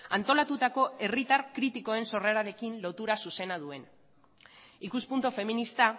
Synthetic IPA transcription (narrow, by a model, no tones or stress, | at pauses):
ant̪o̞lat̪ut̪ako̞e̞rit̪arkɾit̪iko̞e̞nso̞reɾaɾe̞kinlo̞t̪uɾasuse̞nað̞ue̞n | ikuspunt̪ofe̞minist̪a